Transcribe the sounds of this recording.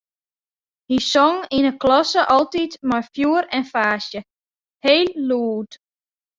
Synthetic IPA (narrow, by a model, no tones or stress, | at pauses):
hisɔŋinəklɔsəʔɔlˠtitmajfjuəɾɛnfaːsjə | heːlːuːt